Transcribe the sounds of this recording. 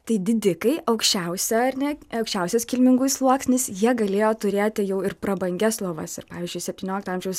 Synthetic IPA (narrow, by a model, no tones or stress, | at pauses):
t̪ɐɪd̪ʲɪd̪ʲɪkɐɪʔɐʊkʃʲt͡ʃʲɛʊsʲɛɐrnʲɛɐʊkʃʲt͡ʃʲɛʊsʲɛskʲɪlʲmʲɪŋɡʊslˠuɔksʲnʲɪsjiɛɡɐlʲeːjoːt̪ʊɾʲeːt̪ʲɪjɛʊɪrpɾɐbɐŋʲɡʲɛslˠoːʋɐsɪrpɑːʋʲiːzʲd͡ʒʲʊɪsʲɛpʲtʲiːnʲoːlʲɪkt̪ːɑːmʲʒʲɛʊs